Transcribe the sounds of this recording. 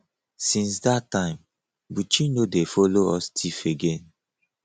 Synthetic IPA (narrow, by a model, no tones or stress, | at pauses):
sĩnsdatːãɪ̃m | but͡ʃĩnodefɔloɔstʰifeɡẽn